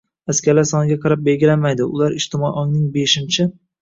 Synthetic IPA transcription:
askʲʰaɾlaɾsɒnɪɡʲaqʰɑɾap̚be̞lɡʲɪlamajd̪ɪʊlˠaɾɪʃt̪ɪmɒiʔɒŋnɪŋbeʃɪnt͡ʃʰɪ

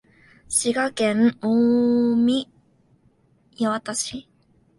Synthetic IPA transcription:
ɕiɡakenomʲi | jawat̪aɕi

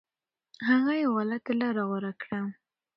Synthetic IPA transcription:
haɣajewalat̪laɾɑɣwaɾakɽa

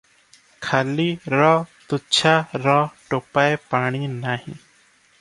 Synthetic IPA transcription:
kʰaːliːɾɔːt̪ʊt͡ʃʰaːɾɔːʈoːpaːepaːɽ̃iːnaːɦḭ̃ː

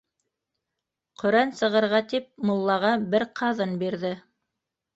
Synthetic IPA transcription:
qʰɵ̆ɾænsɤ̆ʁɤ̆ɾʁɑt̪ip̚mŏlˠːɑʁɑbɘɾqʰɑðɤnbiɾðɘ

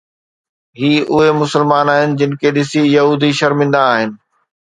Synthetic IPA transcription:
ɦiːʔʊɦemʊsəlmaːnaːɦɪnɪ̆d͡ʑɪnɪ̆kʰeɗɪsijɐɦuːd̪iʃɐɾmɪ̃nd̪aːɦɪnɪ̆

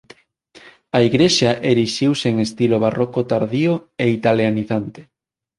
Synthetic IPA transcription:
aiɣɾeʃaʔeɾiʃiwseŋest̪iloβ̞arɔkot̪aɾðioeit̪aljaniθant̪e̥

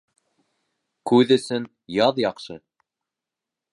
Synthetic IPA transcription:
kʉðɵ̆sɵn | jɑðjɑqʃɤ

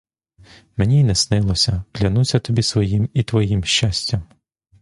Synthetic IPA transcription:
menʲinɛsnɪlˠɔsʲɐklʲɐnusʲɐt̪ɔbʲisʋɔjimit̪ʋɔjimʃt͡ʃasʲtʲɐm

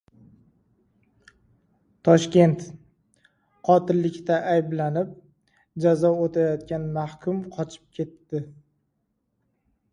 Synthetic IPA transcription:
t̪ʰɒʃkʲe̞nt̪ | qʰɒt̪ɪlːɪkʲt̪aʔajblanɪp̚ | d͡ʒazɒot̪ʰajɒt̪̚kʲanmahkʲʰʊmqʰɒt͡ʃʰɪ̥p̚kʲʰe̞t̪ːɪ

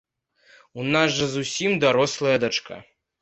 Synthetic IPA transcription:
unazʐɐzusʲimd̪aɾɔslˠɐjɐd̪at͡ʂka̰

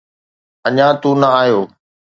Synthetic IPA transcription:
əɲãːt̪ũːnəaːjoː

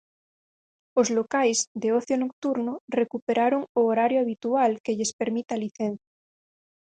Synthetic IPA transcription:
ozlokajzd̪eoθjonok̚t̪uɾnorekupeɾaɾoŋoːɾaɾjoaβ̞it̪ualkeʎespeɾmit̪aliθẽnθja

